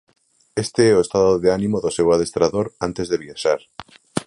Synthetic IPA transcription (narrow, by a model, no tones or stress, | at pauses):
est̪eeoest̪aðoðeanĩmoðosewað̞est̪ɾaðoɾant̪ezðeβjaʃaɾ